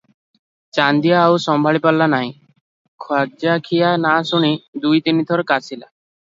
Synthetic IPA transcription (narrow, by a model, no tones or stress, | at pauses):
t͡ʃand̪ijaːwsɔmbʱaɭipalːanaɦĩ | kʰaɾd͡ʒakʰijanasuɽ̃id̪ujt̪init̪ʰɔɾɔkasila